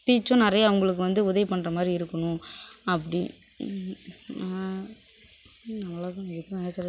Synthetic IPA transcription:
piːt͡ʃːʊ̃nɪɾɐjaʋɐŋɡɐɭɯk̬ːɯʋɐnd̪ɯʊðɐʋɪpɐɳːɾɐmaːd̪ɾiɪɾɯkːɐɳʊ̃ɐpːɐɽi | nɐʋɐlaːt̪ãːɛɾɯkːɯ̃nɪnɛt͡ʃːɐɾ

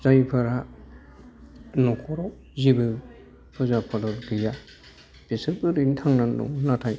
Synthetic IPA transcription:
zajpʰɯɾa | nɔkʰɔɾɔ | zibɯ | pʰɯzapʰadɔt̚ɡɯja | b̥isɯpɯɾintʰaŋnanɔ̰natʰaj

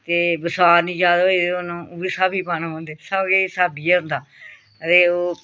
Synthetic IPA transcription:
t̪eːbəsaːɾnĩːd͡ʒaːd̪ed̪eoːnũːʊbisaːbiːpaːnãːãːnd̪eːsabkesaːbiːɛːɦʊ̃nd̪aː | ət̪eːoː

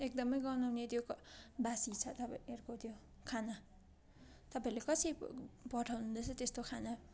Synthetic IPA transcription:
ek̚d̪ʌmʌjɡʌwnawnet̪jokbasit͡sʰʌt̪ʌperkot̪jo | kʰana | t̪ʌpaĩlekʌsʰipʌʈʰawnũnd̪ʌt͡sʰʌt̪est̪okʰana

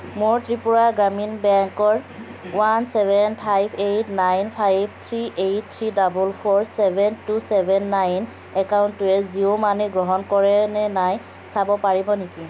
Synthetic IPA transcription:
moɹtɹipuɹaɡɹaminbɛŋkɔɹwansɛbʱɛnpʰajbʰejtnajnpʰajbt̪ʰɹiʔejt̚t̪ʰɹidabulpʰɔɹsɛbʱɛntusɛbʱɛnːajn | ɛkaʊntuɛziomaniɡɹɔɦɔnkɔɹɛnɛnaj | sabɔpaɹibɔneki

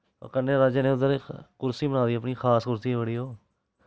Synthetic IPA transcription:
o̰ːkənːeːɾaːd͡ʒeːnẽːʊd̪əɾkʊɾsiːbənaːd̪iːəp̬ɳiːxʰaːskʊɾsiːɛbəɽiːɦoː

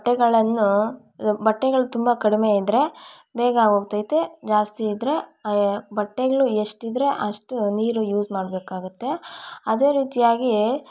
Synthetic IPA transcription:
ʈːɛɡɐɭɐnːu | bɐʈːɛɡɐɭut̪umbɐkɐɽimeid̪ɾe̞beːɡaːɡo̞ːɡ̚t̪ajit̪ed͡ʒaːst̪iːd̪ɾe̞ | bɐʈːeɡɐɭueʂʈid̪ɾe̞ʔɐʂʈuniːɾujuːsmaːɽbeːkaːɡut̪ːe̞ɐd̪e̞ːɾiːt̪ijaːɡi

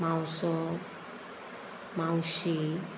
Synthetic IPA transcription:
mawsɔ | mãwɕi

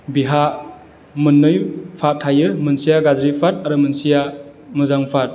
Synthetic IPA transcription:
biɦa | mɯnːɯjpʰat̚ʰhajɯmɯnsijaɡazɾipʰat̚aɾɯmɯnsijamɯzaŋpʰat̚

